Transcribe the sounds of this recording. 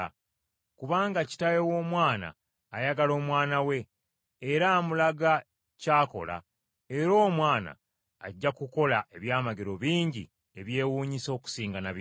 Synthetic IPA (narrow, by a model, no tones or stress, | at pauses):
kuβaːŋɡaci̥tajewo̞ːmwaːna̰ː | jaɡalo̞ːmwaːnawe̞ː | ɾamulaɡa | caːko̞̰la̰ | e̞ɾo̞ːmwaːna̰ː | ɟːakuko̞laʔe̞βjaːmaɡeɾo̞βiːɲɟḭ | e̞βje̞ːwuːɲiso̞ːku̥siːŋɡanaβi